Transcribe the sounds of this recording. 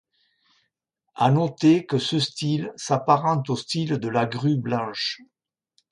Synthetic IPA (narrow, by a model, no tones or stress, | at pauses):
a̰nɔt̪ekəsəst̪ilsapaʁɑ̃nt̪ost̪ild̪əlaɡʁyblɑ̃ʃ